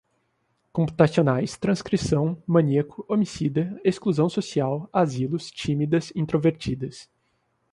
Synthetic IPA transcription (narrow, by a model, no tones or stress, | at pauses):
kõpu̥t̪asionajst̪ɾɐ̃skɾisɐ̃w̃mɐ̃niiekʊ̥omisid̪ɐeskluzɐ̃w̃sosiawazilʊst͡ʃĩmid̪ɐzĩnt̪ɾoveɾt͡ʃid̪ɐs